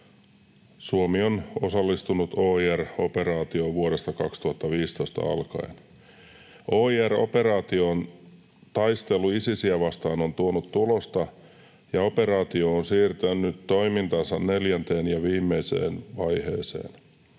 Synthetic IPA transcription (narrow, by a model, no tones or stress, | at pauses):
suomionosɑlːist̪unut̪oːiæro̞peɾɑːt̪ioʋuoɾest̪ɑkɑkst̪uhɑt̪ːɑʋiːst̪oist̪ɑ̰ɑ̰lkɑ̰ḛn | ʔo̞ːiæro̞̰pe̞ɾɑːt̪ion | t̪ɑjst̪e̞lˑuisisiæʋɑst̪ɑːnont̪uonut̪t̪ulo̞st̪ɑ | jɑo̞pe̞ɾɑːt̪ioːnsiːrt̪ænːyt̪t̪ːo̞imint̪ɑnsɑnne̞ljænt̪eːnjɑʋiːmːeise̞̰ːnʋɑjhe̞̰ːse̞̰ːn